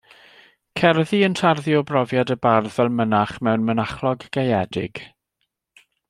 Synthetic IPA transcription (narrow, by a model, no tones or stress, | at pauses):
kʰɛrðiəntʰarðiɔbrɔvjadəbarvɛlˠmənaχmɛwnmənaχlˠɔɡːejɛdɪɡ̥